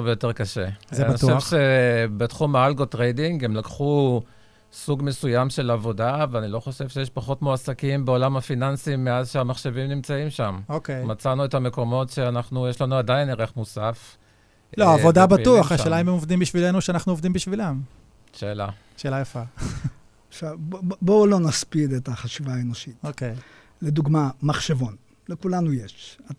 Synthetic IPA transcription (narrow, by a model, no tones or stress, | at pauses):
vejo̞te̞ʁkaʃe̞̰znioʃevʃe̞betχumaalɡo̞tʁejdiŋɡe̞mlakχu | suɡmesujamʃe̞lavo̞daveanilo̞χo̞ʃe̞vʃejeʃpaχo̞tmoasakimbe̞o̞lamhafinansimːeazʃeamaχʃe̞vimnimt͡saimʃamokejmat͡sanuetame̞ko̞mo̞tʃe̞anaχnujeʃlanuadaineʁeχmusaf | loaːvo̞dabatuaχaʃeːlaimemovd̪imbiʃvilenuʃeanaχnuovd̪imbiʃvilam | ʃe̞ːla | ʃe̞ːlajafa | ʃavbolonaspid̪et̪aχaʃivaenoʃit̪okej | led̪uɡmamaχʃevon | lekulanujeʃa